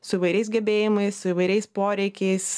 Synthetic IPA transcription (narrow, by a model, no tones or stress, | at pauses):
sʊiʋɐɪɾʲɛɪs̬ɡʲɛbʲeːjɪmɐɪssʊiʋɐɪɾʲɛɪspoːɾʲɛɪkʲɛɪs